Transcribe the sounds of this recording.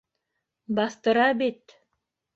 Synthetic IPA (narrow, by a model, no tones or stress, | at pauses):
bɑθt̪ɤ̆ɾɑbit̪